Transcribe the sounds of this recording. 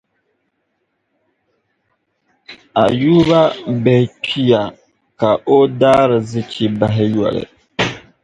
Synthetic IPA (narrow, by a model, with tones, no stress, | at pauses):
a˨juː˦βa˦bɛ˨hɪ˨t͡ʃi˦ja˨ | ka˨ʔo˦daː˦ɾɪ˨zi˦t͡ʃi˦ba˨ɦɪ˦jɔ̰˨lɨ̰˨